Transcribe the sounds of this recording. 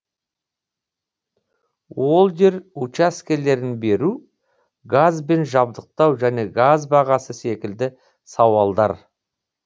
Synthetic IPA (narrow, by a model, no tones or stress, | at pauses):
wo̞lˠd̪e̞ɾut͡ʃaskʲe̞le̞ɾɪnbe̞ɾu | ɡazbe̞nʒɑbd̪əq̚t̪ɑwʒæne̞ɡazbɑʁɑsəse̞kʲɪld̪ɪ | sɑwɑlˠd̪ɑ̰ɾ